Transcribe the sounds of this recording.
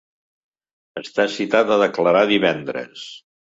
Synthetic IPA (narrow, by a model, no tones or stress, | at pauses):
əst̪asit̪at̪əðəkləɾaðiβ̞ɛnd̪ɾə̰s